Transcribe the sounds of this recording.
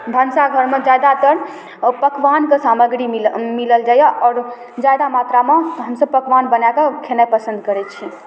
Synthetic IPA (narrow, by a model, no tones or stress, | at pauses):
bʱənsaɡʱəɾmed͡ʒajd̪at̪əɽ | pəkʋankesaməɡɾiimiləld͡ʒajaʔɔːɾ | d͡ʒajd̪amat̪ɾameɦəmsəb̚pəkʋanbənakakʰenapəsənd̪kəɾɛt͡ʃʰi